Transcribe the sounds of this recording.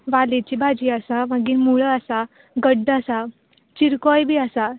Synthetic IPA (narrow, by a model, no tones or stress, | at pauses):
ʋalit͡ɕibʱad͡ʑiːəsaməɡiːɾmuɭəasa | ɡəɖːəasa | t͡ɕiɾkɔjbʱiːəsa